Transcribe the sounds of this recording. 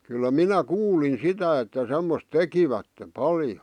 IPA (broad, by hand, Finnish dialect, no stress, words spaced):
kylːæ minæ kuːlin sitæ etːæ semːos tekiʋætːe pɑljo